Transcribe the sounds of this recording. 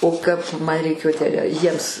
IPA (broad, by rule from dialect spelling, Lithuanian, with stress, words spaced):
oː ˈkɐp ˈmɐn rʲɛɪˈkʲeːjoː tʲæː jiɛms